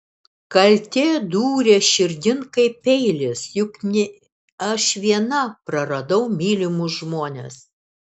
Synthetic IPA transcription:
kɐlʲt̪ʲeːd̪uːɾʲeːʃʲɪɾʲd̪ʲɪnkɐɪpʲɛɪlʲɪsjʊknʲɪ | ɐʃʋʲiɛnɐpɾɐɾɐd̪ɐʊmʲiːlʲɪmuʒmoːnʲes

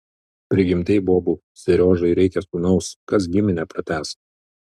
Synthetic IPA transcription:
pʲɾʲɪɡʲɪmʲt̪ʲɛɪboːbʊ | sʲɛɾʲoːʒɐɪɾʲɛɪkʲɛsunɒʊskɐs̬ɡʲɪmʲɪnʲɛpɾɐt̪ʲæːs

